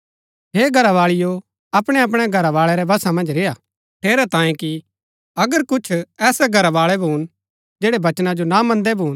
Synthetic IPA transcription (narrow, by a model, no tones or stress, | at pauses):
ɦeːɡʱɐɾaʋaːɭɪjo | ɐpɽ̃ɛɐp̬ɽ̃ɛɡʱɐɾaʋaːɭɛɾɛbɐsamɐ̃nd͡ʒɾeːa | ʈʰeːɾat̪ãːjẽki | ɐɡəɾkʊt͡ʃʰɛːsɛɡʱɐɾaʋaːɭɛbʱuːn | d͡ʒeːɽɛbɐt͡ʃnad͡ʒonamɐ̃nd̪ɛbʱuːn